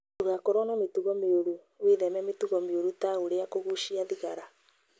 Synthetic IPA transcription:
uɣakoɾɔnametuɣɔmeoɾu | weðɛmɛmetuɣɔmeoɾutaɣoɾeakoɣuʃiaðiɣaɾa

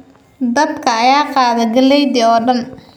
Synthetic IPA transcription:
d̪ɐd̪kʰɐːjaːqɑːðɐɡɐlɛjd̪ɪɔːɖɐn

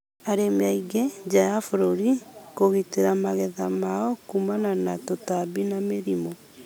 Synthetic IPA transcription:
aɾemeaiɣed͡ʒajafoɾoɾikoɣiteɾamaɣɛðamaɔkumananatotabinameɾimɔ

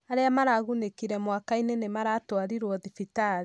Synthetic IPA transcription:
aɾeamaɾaɣunekiɾɛmwakainenemaɾaːtwaɾiɾwɔðifitaɾi

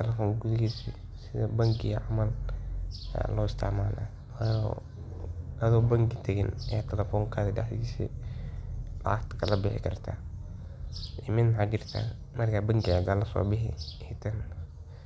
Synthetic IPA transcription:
t̪ʰɛlɛfɔːŋɡuðɪɡiːsḭ | sɪðɐbɐŋkʰɪjɐʕamɐl̰ | lɔːɪst̪ʰɪ̰ʕmaːla̰ː | waːjɔ̰ | ɐðɔːbɐŋkɪt̪ʰɐɣɪnɐjaːt̪ʰɐlɛfɔːŋkʰaːðɪɖɐ̰ħd̪iːsḭ | lːt̪kʰɐlɐbɪħɪ̰kʰɐrt̪ʰa̰ː | ʔɪmɪnmħad͡ʒɪrt̪ʰa̰ː | mɐrkʰabɐŋkɪad̪aːlɐsɔ̰ːbɪɦɪ̰hɪt̪ʰɐn

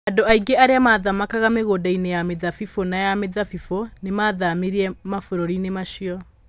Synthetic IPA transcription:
adoaiɡeaɾeamaðamakaɣameɣoːdainejameðafifonajameðafifonemaːðamiɾiɛmafoɾoɾinemaʃiɔ

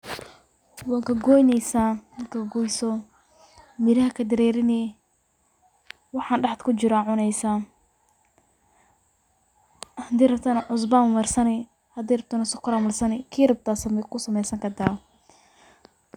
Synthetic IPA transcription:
waːŋkʰɐɡɔjnɛjsamɐkʰɐɡɔːjsɔ | mɪɾɐhɐkʰɐd̪ɐɾɛːɾɪnɛ | wɑħɑːnɖɑħt̪kʰʊt͡ʃɪɾaːʕʊnɛjsa | hɐd̪ɛːɾɐb̚t̪ʰɐnʕʊs̬baːmʊmɐrsɐnɪ | hɐd̪iːɾɐb̚t̪ʰaːnɐsʊkʰʊɾamɐlsɐnɪkʰiːɾɐb̚t̪ʰaːsɐmɛkʰʊsɐmɛjsɐŋkʰɐd̪aː

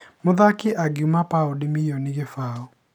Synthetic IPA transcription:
moðakeʔaɡiumapaodimijɔniɣefao

